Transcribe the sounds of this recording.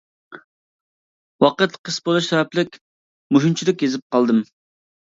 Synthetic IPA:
wɑqət̪qʰəsbolˠuʃsɛwɛplɪkʲ | muʃunt͡ʃʰilɪkʲjezɪp̚qʰɑlˠd̪ɨm

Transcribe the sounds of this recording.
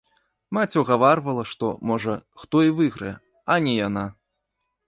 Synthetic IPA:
mat͡sʲuɣavarvɐlˠɐʂt̪ɔmɔʐɐxt̪ɔivɨɣɾɨɛ | ɐnʲɛjana

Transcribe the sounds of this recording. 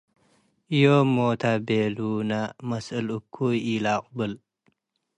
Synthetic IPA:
ʔjomot̪ʰabelunamɐsɨlɨkʰːuilaqʼbɨl

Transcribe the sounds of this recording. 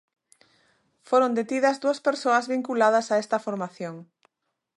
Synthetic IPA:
foɾond̪et̪iðɐzd̪uɐspeɾsoɐzβiŋkulað̞ɐsaest̪ɐfoɾmaθjoŋ

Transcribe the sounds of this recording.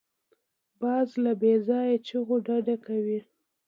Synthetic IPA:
bɑzlabezɑjt͡ʃəɣoɖaɖakawi

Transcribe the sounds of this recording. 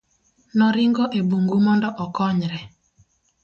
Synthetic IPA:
nɔɾɪŋɡɔʔebuŋɡumɔndɔʔɔkɔɲɾɛ

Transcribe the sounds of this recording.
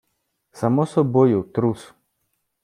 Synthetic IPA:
samɔsɔbojut̪ɾus

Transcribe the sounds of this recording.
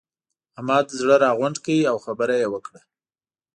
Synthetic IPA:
hamɑd̪əzɽəɾɑɣʊɳɖkawiawxabəɾajewəkɽa

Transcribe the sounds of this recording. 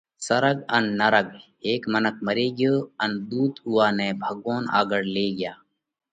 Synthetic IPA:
səɾəɡənːəɾəɡ | eːkmənək̚məɾeːɡɪjoːənd̪uːt̪uːaːneːbʱəɡʋoːna̰ːɡəɽleːɡɪjaː

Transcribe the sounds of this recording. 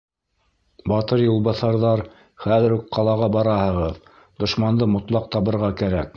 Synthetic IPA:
bɑt̪ɤɾjŏlˠβɑθɑɾðɑɾ | χæðɘ̆ɾukqɑlˠɑʁɑbɑɾɑhɤ̆ʁɤð | d̪̥ŏʃmɑnd̪ɤmŏt̪lˠɑq̚t̪ɑβɤ̆ɾʁɑkæɾæk̚

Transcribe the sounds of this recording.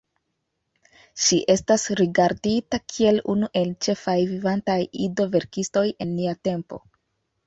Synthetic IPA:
ʃiʔe̞stasɾiɡaɾditakʰie̞lunuʔe̞lt͡ʃe̞fajvivantajido̞ve̞ɾkisto̞je̞nːiate̞mpo̞̰

